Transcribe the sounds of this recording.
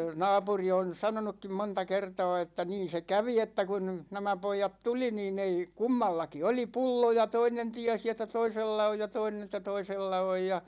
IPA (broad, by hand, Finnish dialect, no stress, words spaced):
nɑːpuri on̞ sɑnonukːim montɑ kertɑ̝ː etːæ niːn̞ se kæʋi etːæ kun næmæ poijɑt tuli niːn ei kumːɑlːɑki oli pulːo jɑ toinen tiæsi etːæ toiselːɑ oj jɑ toinen ĕtːæ toiselːɑ oj jɑ